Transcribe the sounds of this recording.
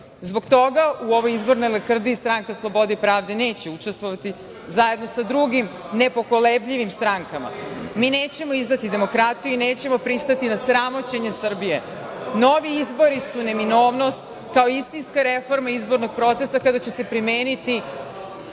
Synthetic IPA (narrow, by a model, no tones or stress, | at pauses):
zbo̞kt̪o̞ɡauo̞ʋo̞jizbo̞ɾno̞jlekr̩d̪ist̪ɾaŋkeslˠo̞bo̞d̪ipɾaːʋd̪e̞ne̞ːt͡ɕe̞ut͡ʂe̞st̪ʋo̞ʋat̪i | zaje̞d̪no̞sad̪ɾuɡim | ne̞po̞ko̞lebʎiʋimst̪ɾaŋkama̰mineːt͡ɕe̞mo̞izd̪at̪id̪e̞mo̞kɾat̪ijuine̞ːt͡ɕe̞mo̞pɾist̪at̪inasɾamo̞t͡ɕe̞ɲe̞sr̩bije̞ | no̞ʋiizbo̞ɾisune̞mino̞ːʋno̞st̪ | kao̞ist̪inskaɾe̞fo̞ɾmaizbo̞ɾno̞ɡ̚pɾo̞t̪se̞sakad̪at͡ɕe̞se̞pɾimeːnit̪i